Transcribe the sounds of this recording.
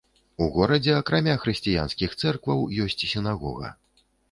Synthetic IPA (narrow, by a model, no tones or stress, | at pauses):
uɣɔɾɐd͡zʲɛɐkɾamʲaxɾɨsʲt͡sʲija̰nskʲixt̪sɛrkvɐwjɔsʲt͡sʲsʲinaɣɔ̰ɣɐ̰